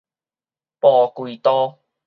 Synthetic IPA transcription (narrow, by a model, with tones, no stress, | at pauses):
pɔː˨˧kwiː˧t̪ɔː˦